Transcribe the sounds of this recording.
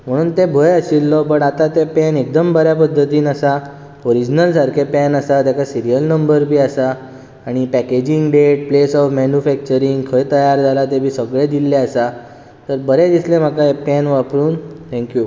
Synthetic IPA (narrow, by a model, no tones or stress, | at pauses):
m̤əɽ̃uːnt̪ebʱəjəsilːɔpəɳat̪at̪epɛnek̚d̪əmbəɾjapəd̪ʱːət̪iːnəsa | oɾid͡ʑnəlsaɾkʰepɛnəsat̪jakasiɾijəlnəmbəɾbʱiːasaː | ɽ̃ipæked͡ʑiŋɡɖeʈ̚plesɔfmɛnjufæk̚t͡ɕəɾiŋɡkʰəjt̪əjaɾd͡zʱalat̪̬ebʱiːsəɡɭed̪ilːeəsa | t̪əɾbəɾed̪islẽm̤akaepɛnʋapɾuːnt̪ʰɛ̃ŋkju